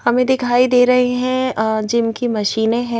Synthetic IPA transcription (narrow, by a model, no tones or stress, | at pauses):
hɐmẽd̪ɪkʰaːid̪eːɾɐɦeɦɛ̃d͡ʒɪnkimɐʃiːneɦɛ̃